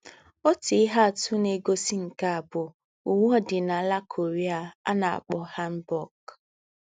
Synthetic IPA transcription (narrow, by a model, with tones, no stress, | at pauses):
ɔ˦ti˨ɪ˦ɦa˦a˨tʊ˦ne˨ɡo˦si˦ŋ̩˨ka˦a˨bʊ˨ | u˨ŋ˦ɔ˦dɪ˨na˨la˦kʰo˨ɾi˦a˨a̰˦na˨a̰˨k͡pɔ˨ha˦m̩˦bɔ˦k